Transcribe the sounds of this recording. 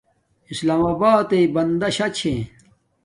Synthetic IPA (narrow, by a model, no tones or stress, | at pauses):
islaːmaːbaːt̪eibɐnd̪ɐɕɐt͡ɕʰẽː